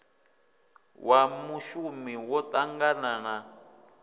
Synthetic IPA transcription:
wʔamuʃumiwɔtʼaŋɡanana

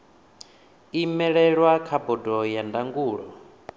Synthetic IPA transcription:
imɛɺɛɺwakʰabɔdɔjandaŋɡuːɺɔ̰

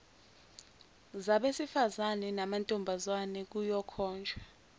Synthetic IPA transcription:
zaɓesifazanɛnamantʼumbʱazwanɛk̬ujɔkʰɔːnd͡ʒʱa

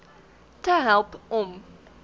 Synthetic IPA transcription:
tʰəɦɛlˠpɔ̃m

